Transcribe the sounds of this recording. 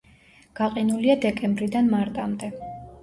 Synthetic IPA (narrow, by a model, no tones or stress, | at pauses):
ɡ̥aqʼɛnuliad̪ɛkʼɛmbɾid̪anmaɾt̪ʼamd̪ɛ